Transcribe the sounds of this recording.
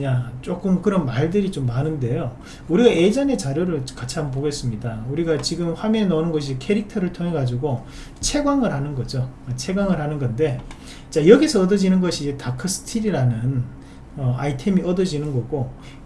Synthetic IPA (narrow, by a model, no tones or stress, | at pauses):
at͡ɕ͈ok͈ɯmkɯɾʌnmaɭdɯɾit͡ɕomːanɯnde̞jo | uɾiɡae̞d͡ʑʌne̞t͡ɕaɾjoɾɯɭkat͡ɕʰamp̬oɡe̞s͈ɯmɲidauɾiɡat͡ɕiɡɯmɸwamenʌnɯnɡʌɕ̬ʰikʰe̞ɾik̚tʰʌɾɯɭtʰoŋɦe̞ɡad͡ʑiɡo | t͡ɕʰe̞ɡwaŋɯɭhanɯnɡʌd͡ʑoat͡ɕʰe̞ɡwaŋɯɭhanɯnɡʌnde̞ | t͡ɕajʌɡisʰʌːdʌd͡ʑinɯnɡʌɕʰiːd͡ʑe̞takʰɯs͈ʰɯ̥tʰiɾiɾanɯn | ʌaitʰe̞miʌdʌd͡ʑinɯnɡʌɡo